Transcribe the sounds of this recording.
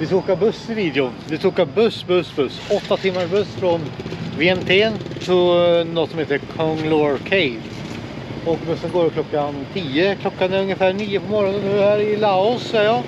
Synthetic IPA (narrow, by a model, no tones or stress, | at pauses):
vɪskuːkabɵsɪviːd̪jʊnd̪ɪt̪ʰuːkabɵsbɵsbɵsɔt̪ːat̪ʰɪmːaʂbɵsfɾɔnveɛmt̪ʰeːnt̪ʰɪnɔt̪sɔmheːt̪əɾkʰɔŋloːɾkʰɛɪd̪ | ɔkbɵsːənɡoːɾkʰlɔkːant̪ʰiːəkʰlɔkːanæɾɵŋjəfæːɳiːəpʰɔmɑːɾɔnənːʉːhæːɾɪlaʊsːɛəjɑː